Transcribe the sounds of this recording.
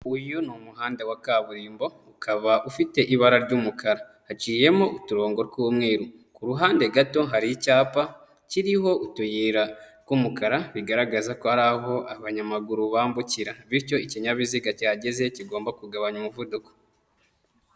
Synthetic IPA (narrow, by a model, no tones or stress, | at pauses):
ujonumuɦaːndewakaβuɾiːmbo̞ukʰaβaʔufite̞ʔiβaɾaɾɟuːmukʰaɾa | hat͡ʃiːje̞moʔutuɾo̞ːŋɡo̞ɾɡuwomŋe̞ːɾu | kuɾuɦaːndeɡato̞ɦaɾicaːpa | ciɾiɦo̞ʔutujiɾakumukaɾaβiɡaɾaɡazakohaɾaɦo̞ʔaβaɲamaɡuɾuβaːmbuciɾaβiɾco̞iciɲaβiziɡacaːɟe̞ze̞ciɡo̞ːmbakuɡaβaɲumuvuduko̥